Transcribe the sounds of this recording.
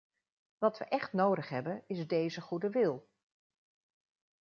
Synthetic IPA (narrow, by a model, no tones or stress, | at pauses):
ʋɑtʋə̰ʔɛχtnowdəχɦɛbənɪzdejzəχudəʋɪlˠ